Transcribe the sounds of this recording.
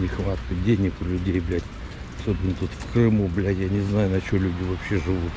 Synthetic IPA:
nʲɪxvat̪kədʲenʲɪkʲlʲʉdʲejblʲætʲ | ɐso̞bʲɪnːət̪ut̪fkrɨmublʲætʲjanʲɪznajʊnɐt͡ɕɪolʲʉdʲɪvɐpɕːeʐɨvut̪

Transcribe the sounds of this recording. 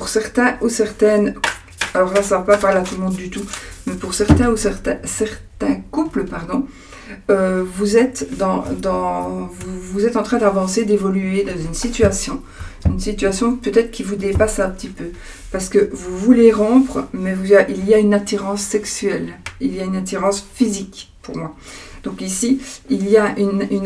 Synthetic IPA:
puʁsɛʁt̪ɛ̃ʔusɛʁt̪ɛn | alɔʁlasavapapaʁleat̪ulmɔ̃d̪ːyt̪umɛpuʁsɛʁt̪ɛ̃usɛʁt̪ɛ̃sɛʁt̪ɛ̃kupləpaʁd̪ɔ̃ | øvuzɛt̪d̪ɑ̃d̪ɑ̃vuvuzɛt̪ɑ̃t̪χɛ̃d̪avɑ̃sed̪evɔlyed̪ɑ̃zynsit̪yasjɔ̃ | ynsit̪yasjɔ̃pøt̪ɛt̪χə̥kʲivud̪epasɛ̃pə̥t̪ipø | paʁsə̥kəvuvuleʁɔ̃pχəmɛvuaʔilijaynat̪iʁɑ̃sːɛksyɛliljaynat̪̬iʁɑ̃sfizikpuʁmwad̪̥ɔ̃kisiilijaʔynyn

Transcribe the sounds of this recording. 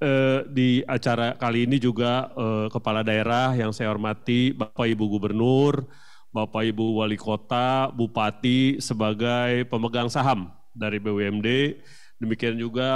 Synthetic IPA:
ədiat͡ʃaɾakaliːnid͡ʒuɡaəkəpaladaeɾahjaŋsajaɦɔrmat̪ibapaibuɡubərnʊr | bapaibuwalikot̪abupat̪isəbaɡajpəməɡaŋsaɦam | daɾibeɛmde | dəmikiand͡ʒuɡa

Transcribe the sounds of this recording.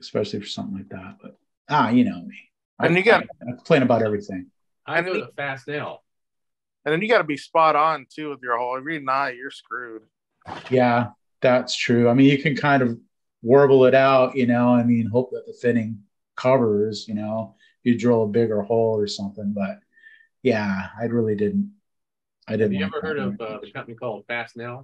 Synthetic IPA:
ɨspɛʃl̩ˠifə˞sʌ̃mθɪ̃ŋlaɪk̚ðæ̰t̚b̥ʌt̚ | ajɨñoʊamĩ | ɨ̃njɨɡɑaɪkm̥̩pʰẽɪ̃nɨbaʊɾɛvɹiθɪ̃ŋ | ʔaɪɨ̃nfæsnelˠ | ɨ̃nðɨ̃njɨɡɑɾəbispɑɾn̩tʰʉwəðjə˞hoʊlˠəɡɹinaɪjə˞skɹʉd̥ | jæ | ðætstʰɹ̥ʉaɪmĩnjɨkʰɨ̃nkʰãɪ̃ndʌv | wɜ˞bl̩ˠɪɾaʊʔjɨnoʊaɪmĩnɦoʊp̚ðət̪̚ðəfɪɾ̃ɪ̃ŋ | kʰʌvə˞z̥jɨnoʊ | jɨdɹoʊəbɪɡə˞hoʊlˠə˞sʌ̃mθɪ̃ŋbʌt̚ | jæaɪɹɪlˠidɪdⁿn̩t̚ | aɪdɪdⁿnɛə˞ɜ˞ɾʌɨkʰʌ̃ĩkʰɔlˠd̥fæsnɛlˠ

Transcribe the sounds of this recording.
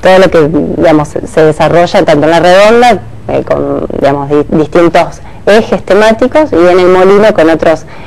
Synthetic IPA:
t̪oð̞olo̞ked̪iamosse̞ðesaro̞ʒant̪ant̪õnlareðo̞nd̪a | ḛko̰nd̪ḭamozd̪ist̪int̪o̞s | exest̪emat̪iko̞sie̞ne̞lmo̞linoko̞no̞t̪ɾo̞s

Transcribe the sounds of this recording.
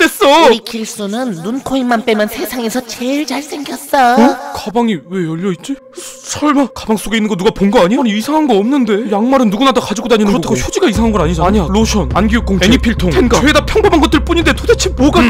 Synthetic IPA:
t͈e̞s͈ʌikiɭs͈unɯnːunkʰoimːanp͈e̞mansʰe̞sʰaŋe̞sʰʌt͡ɕe̞ɭt͡ɕaɭs͈ʰe̞ŋɡjʌt̚t͈aokabaŋiwe̞jʌʎːʌit͡ɕ͈i | sʰʌɭmakabaŋs͈oɡeinːɯŋɡʌnuɡapoŋɡʌaɲiaɲiisʰaŋɦanɡʌʌmnɯnde̞jaŋmaɾɯnːuɡunadakad͡ʑiɡodaɲinɯɯɾotʰaɡoçjod͡ʑiɡaisʰaŋɦanɡʌnaɲid͡ʑaaɲiaɭoɕʰʌnanɡijok͈oŋeiɲipʰiɭtʰoŋʰenɡaeedapʰjʌŋbomaŋɡʌt͈ɯɭp͈uɲinde̞todet͡ɕʰimwʌɡa

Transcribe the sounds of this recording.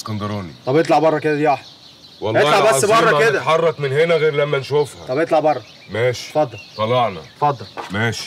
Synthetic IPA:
skɑnd̪ɑɾɑːnḭt̪ˤɑbʔet̪̬ˤlɑʕbɑrˤːɑked̪æd̪jɑħ | wɑlʔet̪ːlɑʕbæsːbɑrˤːɑked̪æħɑrˤːɑkmenhenæɣeːɾlæmːænʃufhæ̰ˤɑbʔet̪ˤlɑʕbɑrˤːɑ | mæːʃi̥fɑd̪ˤːɑlt̪ˤɑlɑʕnɑ̰t̪fɑd̪ˤːɑlmæːʃi̥

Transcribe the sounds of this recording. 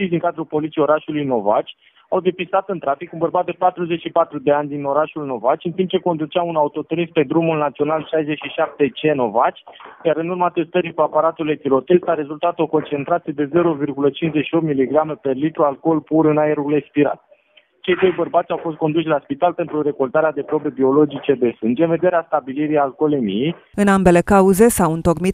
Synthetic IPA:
t͡ʃijd̪iŋkad̪ɾulpo̞lit̪sijo̞ɾaʃulujno̞va̰t͡ʃʲ | awd̪e̞pist̪at̪ɨnt̪ɾafikunbərbat̪̚d̪e̞pat̪ɾuze̞t͡ʃʃipat̪ɾud̪e̞anʲd̪ino̞ɾaʃulno̞vat͡ʃʲɨnt̪imp̚t͡ʃe̞ko̞nd̪ut͡ʃaunaut̪o̞t̪oɾispe̞d̪ɾumulnat̪sio̞nalʃajzet͡ʃʃiʃap̚t̪e̞t͡ʃe̞no̞vat͡ʃʲjaɾɨnurmat̪e̞st̪əɾikuapaɾat̪ulet̪ilo̞t̪e̞st̪aɾe̞zult̪at̪o̞ko̞nt͡ʃe̞nt̪ɾat̪sʲjed̪e̞ze̞ɾo̞virɡulət͡ʃint͡ʃzeʃio̞pt̪miliɡɾamepelit̪ɾualko̞lpuɾɨnae̞ɾule̞kspiɾa̰t̪̚ | t͡ʃe̞jd̪o̞jbərbat̪sʲawfo̞s̬t̪̚ko̞nd̪uʃʲlaspit̪alpe̞nt̪ɾuɾe̞ko̞lt̪aɾead̪e̞pɾo̞be̞bio̞lo̞d͡ʒit͡ʃe̞d̪e̞sɨnd͡ʒe̞nve̞d̪e̞ɾeast̪abiliɾijalko̞lemḭjejɨnambe̞le̞kauze̞sawunt̪o̞ɡmit̪

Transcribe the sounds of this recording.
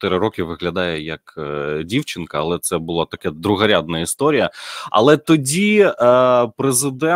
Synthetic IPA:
t̪ɪɾɪɾɔkʲɪʋɪɦlʲɐd̪ɑjɛjɐkːdʲiwt͡ʃɪnkɐɐlˠɛt̪sɛbʊlˠat̪ɐkɛd̪ɾʊɦɐɾʲad̪̚nɐist̪ɔɾʲijɐɐ̰lˠɛt̪ɔdʲi | pɾezɪd̪ɛ

